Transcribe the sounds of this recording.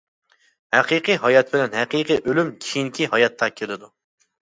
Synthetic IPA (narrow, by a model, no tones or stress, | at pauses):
hæqʰiqɨɦɑjɑt̪̚bɪlɛnɦɛqiqɨʔølymkʲʰijiŋkʲʰiɦɑjɑt̪ʰːɑkʲʰelɪd̪u